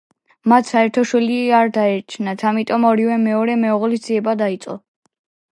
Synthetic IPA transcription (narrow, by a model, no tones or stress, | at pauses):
mat̪ʰsaɛɾt̪ʰɔʃwiliaɾd̪aɛɾt͡ʃʰnat̪ʰamit̪ʼɔmɔɾivɛmɛɔɾɛmɛɔʁlisd̪z̥iɛbad̪ait̪sʼɔ